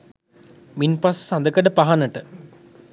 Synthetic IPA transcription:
minpassand̪əkəɖəpaɦanəʈə

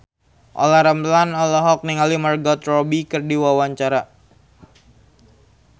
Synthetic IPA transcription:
ʔɔ̰laɾəmlanɔlɔɦɔk̚niŋalimərɡɔt̪rɔbikɨrdiwawaɲt͡ʃaɾa

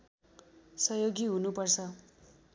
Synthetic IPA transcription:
sʌjoɡiɦunupʌrt͡sʰʌ

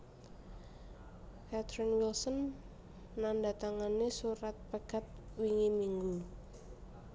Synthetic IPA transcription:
kat̪ɾinwilsɔnː | andat̪aŋanesuɾat̪̚pəɡ̥at̪̚wiŋimiŋɡu

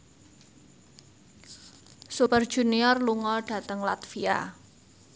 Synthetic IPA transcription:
supərd̥ʒ̥ṳniɔrluŋɔɖ̥ä̤t̪əŋlat̪fia̰

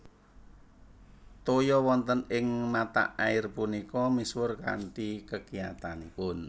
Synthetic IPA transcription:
t̪ojɔwɔnt̪ənɪŋmat̪a̰ʔaɪrpunikɔmiswʊrka̰ɳʈikəkijat̪anipʊn

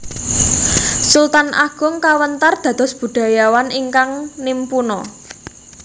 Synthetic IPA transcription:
sult̪anʔa̰ɡ̥ʊ̤ŋkawənt̪ard̪̥ä̤d̪̥ɔ̤sb̥ṳɖ̪̥a̤jawaniŋkaŋnimpunɔ

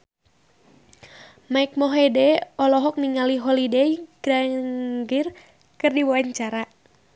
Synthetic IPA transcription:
maik̚mɔɦedɛɔlɔɦɔk̚niŋaliɦɔlideiɡ̥ɾaŋɡɪr | kɨrdiwaɲt͡ʃaɾa

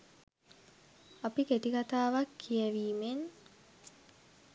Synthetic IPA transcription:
apiket̪ikat̪aːʋakʰːijəʋiːmen

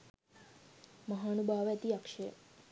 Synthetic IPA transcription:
mɐɦaːnubʱaːʋɛt̪iɐkʂɐjə̰

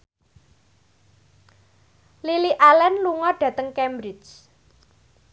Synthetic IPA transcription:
liliʔalɛnluŋɔɖ̥ä̤t̪əŋkɛmbɾɪt͡ʃ

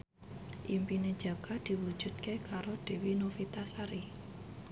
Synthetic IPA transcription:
ʔimpined̥d͡ʒ̥a̤ɡ̥ad̪̥i̤wu̥ʒ̥ṳd̪̚kekaɾod̪̥e̤winofit̪asaɾi

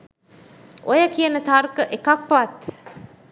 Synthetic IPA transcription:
ʔojəkiənət̪arkəʔekak̚pʋat̪

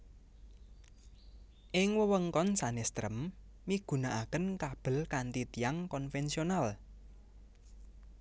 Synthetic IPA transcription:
ʔɪŋwəwəŋkɔnsanest̪ɾə̰mː | iɡ̥ṳnaʔakənkab̥ə̤lkant̪it̪ijaŋkɔnfɛnsional

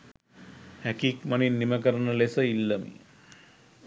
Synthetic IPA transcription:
hækikmaninːimək̬əɾənəlesəilːəmḭ

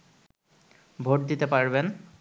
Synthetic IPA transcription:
bʱoʈ̚d̪it̪epaɾben

